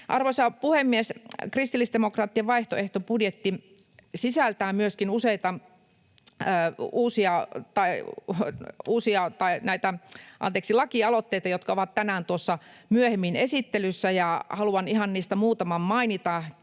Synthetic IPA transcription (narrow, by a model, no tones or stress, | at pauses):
ʔɑrʋosɑpuhemːieskrist̪ilːˑisd̪emokrɑːt̪ːiɑʋɑiht̪oeht̪opudjet̪ːi | sisælt̪æːmyøskinuseit̪ɑ | əːuːsiɑt̪ɑi | uːsiɑt̪ɑinæit̪æʔɑ̰nt̪eːksilɑkiɑlot̪ːeit̪ɑjot̪kɑoʋɑt̪t̪ænæːnt̪uosːɑmyøhemːinesit̪ːelysːæjɑhɑluɑnihɑnniːst̪æmuːt̪ɑmɑmmɑinit̪ɑ